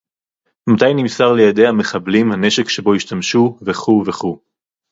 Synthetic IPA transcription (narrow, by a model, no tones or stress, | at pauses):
mat̪ajnimsaʁlejad̪e̞jhame̞χablimhane̞ʃekʃe̞bo̞iʃtamʃuveχuveχu